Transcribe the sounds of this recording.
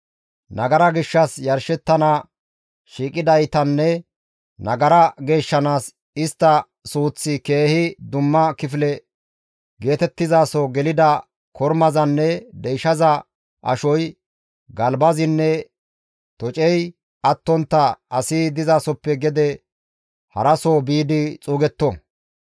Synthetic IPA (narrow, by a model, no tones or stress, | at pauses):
nɐɡɐɾɐɡɪʃːɐsjɐɾʃɛt̪ːɐna | ʃiːkʼɪd̪ɐjt̪ɐnːɛ | nɐɡɐɾɐɡe̞ːʃːɐnaːs | ɪst̪ːɐ | suːt͡sːɪke̞ːhɪd̪ʊmːɐkɪflɛ | ɡe̞ːt̪ɛt̪ːɪzaːsɔɡɛlɪd̪ɐ | kʰɔɾmɐzɐnːɛd̪ɛjʃɐzɐ | ʔɐ̰ʃɔj | ɡɐlbɐzɪnːɛ | t̪ɔt͡ʃʼɛj | ɐt̪ːɔnt̪ːɐɐsɪd̪ɪzaːsɔpːɛɡɛd̪ɛ | hɐ̰ɾɐsoːbiːd̪ɪt͡sʼuːɡɛt̪ːɔ